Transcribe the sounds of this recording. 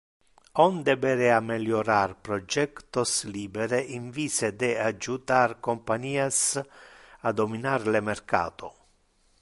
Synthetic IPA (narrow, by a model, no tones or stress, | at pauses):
ɔnd̪ɛbɛɾeameljoɾarpɾɔd͡ʒɛkt̪osliːbeɾeʔiɱviːsed̪ead͡ʒut̪arkompaɲiːas | ad̪ominaɾlemerka̰ːt̪o